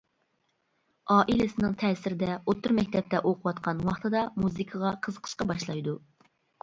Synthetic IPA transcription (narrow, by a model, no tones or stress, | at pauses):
ɑːʔilɪsɪnɪŋt̪ʰɛːsɪɾɪd̪ɛot̪ʰːɨɾmɛkʲt̪ʰɛp̚t̪ɛʔoqʰʊwɑt̪qʰɑnwɑχt̪ɨd̪ɑmuzɨkʰɑʁɑqʰəzəqʰə̥ʃqɑbɑʃlˠɑjd̪u